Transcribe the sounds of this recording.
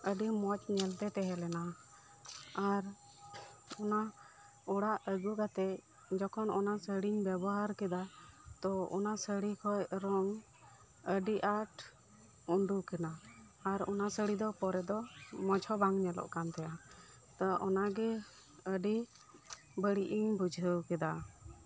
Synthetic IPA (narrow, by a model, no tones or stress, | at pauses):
əɖimɔt͡ʃɲɛlt̪ɛt̪ɛɦɛlɛna | aɾ | ɔna | ɔɽaʔəɡuɡat̪ɛ | d͡ʒɔkʰɔnɔnasəɽiɲbɛbɔɦaɾkɛd̪at̪ɔɔ̰nasəɽikʰɔjɾɔŋ | əɖiʔaʈ | uɳɖukɛnaː | ɾɔ̰nasəɽid̪ɔpɔɾɛd̪ɔmɔd͡ʒʰʱɔbaŋɲɛlɔ̰ʔkant̪ɛja | t̪ɔʔɔnaɡɛ | əɖi | bəɽiʔiɲbud͡ʒʱəwkɛd̪a